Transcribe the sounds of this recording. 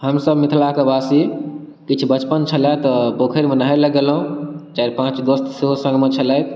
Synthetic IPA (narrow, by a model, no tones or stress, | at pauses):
ɦəmsəbmit̪ʰlakebasi | kit͡ʃʰubət͡ʃpənt͡ʃʰəlat̪ɔbokʰəɾmənɦaeləɡelɦũt͡ʃaɾpãt͡ʃd̪ost̪seɦosə̃ŋɡmet͡ʃʰəlajt̪